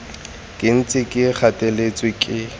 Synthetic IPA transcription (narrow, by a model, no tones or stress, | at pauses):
kʼɪn̩t͡sʼɪkʼɪk͡xʰatʼelet͡sʼwɪkʼɪ